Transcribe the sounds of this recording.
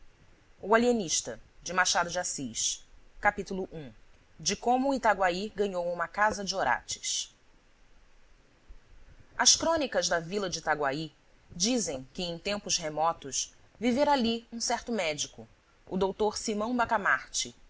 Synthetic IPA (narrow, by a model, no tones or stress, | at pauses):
ʊalieniʃt̪ɐd͡ʒɪmaʃad̪ʊd͡ʒɪasiʃkapit̪ulʊʔũ | d͡ʒɪkõmʊit̪aɡwaiɡɐ̃ɲowũmɐkazɐd͡ʒɪoɾa̰t͡ʃɪ̥ʃ | ɐʃkɾõnikɐzd̪ɐvilɐd͡ʒɪt̪aɡwai | d͡ʒizẽj̃kɪẽj̃t̪ẽmpʊshemɔt̪ʊʃ | viveɾaliũsɛɾt̪ʊmɛd͡ʒikʊ̰ː | d̪owt̪oɾsimɐ̃w̃bakamaɾt͡ʃɪ